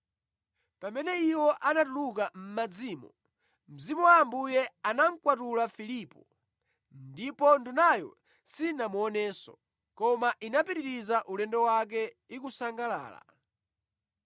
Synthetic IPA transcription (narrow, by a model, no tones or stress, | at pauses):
pamɛnɛiwɔʔanatuluk̬am̩mad͡ziːmɔ | m̩zimuwambujɛanaŋkwatulafilipɔ | ndipɔndunajɔ̰ | sinamuɔnɛːsɔ̰ | kɔmaʔinapiɾiɾizaʔulɛndɛwak̬ɛ | ikusaŋɡala̰ːla̰